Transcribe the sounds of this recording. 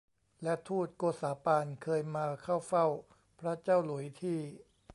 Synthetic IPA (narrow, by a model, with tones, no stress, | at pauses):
lɛ˦˥t̪ʰuː˥˩t̪̚koː˧saː˩˦paː˧nkʰɤː˧jmaː˧kʰa˥˩wfa˥˩w | pʰɾa˦˥t͡ɕaː˥˩wlu˩˦jt̪ʰiː˥˩